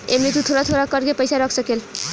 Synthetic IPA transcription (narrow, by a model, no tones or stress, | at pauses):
emnit̪ut̪ʰoɾat̪ʰoɾakʌɾɡepʌjsaɾʌkʰsʌkel